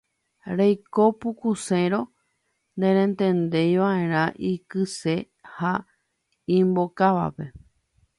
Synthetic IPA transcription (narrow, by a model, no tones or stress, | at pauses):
ɾejko̞pukusẽɾõ̞ | nd̪ẽɾ̃ẽnt̪ẽnd̪e̞jʋaẽ̞ɾ̃ãʔikɨse̞ | ha | ĩmbokaʋa̰pe̞